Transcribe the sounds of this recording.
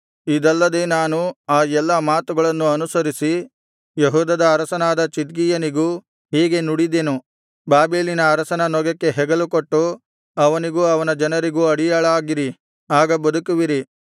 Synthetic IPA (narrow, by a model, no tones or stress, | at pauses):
id̪ɐlːɐd̪e̞ːnaːnuaːɛlːɐmaːt̪uɡɐɭɐnːuɐnusɐɾisi | jɐɦuːd̪ɐd̪ɐːɾɐsɐnaːd̪ɐt͡ʃid̪ɡijɐniɡuː | ɦiːɡe̞nuɽid̪eːnu | baːbeːlinɐːɾɐsɐnɐnɔɡɐkːe̞ɦɛɡɐlukoʈːu | ɐʋɐniɡuɐʋɐnɐd͡ʒɐnɐɾiɡuɐɽijɐɭaːɡiɾi | aːɡɐbɐd̪ukuʋiɾi